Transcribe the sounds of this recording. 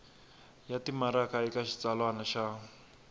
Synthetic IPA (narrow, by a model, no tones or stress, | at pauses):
jatimaɾakaikaʃi̥t͡salwanaʃa